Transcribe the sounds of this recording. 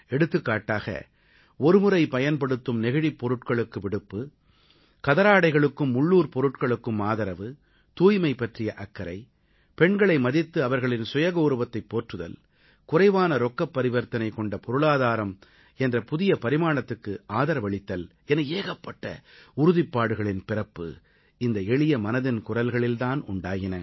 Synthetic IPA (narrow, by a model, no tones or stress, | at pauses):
ɛɽɯt̪ːɯkːaːʈːaːɣɐ̰ | ɔɾɯmɯɾɐɪpɐjɐnpɐɽɯt̪ːɯmnɛɣɪɽipːɔɾɯʈkɐɭɯkːɯʋɪɽɯpːɯ | kɐðɐɾaːɽɐɪɣɐɭɯkːɯmːʊɭːuːɾpɔɾɯʈkɐɭɯkːɯmaːðɐɾɐʋɯ | t̪uːjmɐɪpːɐʈrɪjɐʔɐkːɐɾɐ̰ɪ | pɛɳɡɐɭɐɪmɐðɪt̪ːɯɐʋɐɾɣɐɭɪnsʊjɐɣɐʊɾɯbɐt̪ːɐɪpːoːʈrɯðɐ̰l | kʊrɐɪʋaːnɐɾɔkːɐpːɐɾɪʋɐɾt̪ɐnɐɪkɔɳɖɐpɔɾɯɭaːðaːɾɐm | ɛndrɐpʊðɪjɐpɐɾɪmaːɳɐt̪ːɯkːɯaːðɐɾɐʋɐɭɪt̪ːɐl | ɛnɐeːɣɐpːɐʈːɐ̰ʊɾʊðɪpːaːɽɯɣɐɭɪnpɪrɐpːɯ̰ | ɪnd̪ɐɛɭɪjɐmɐnɐðɪnkʊrɐlɣɐɭɪlt̪aːnʊɳɖaːɣɪnɐ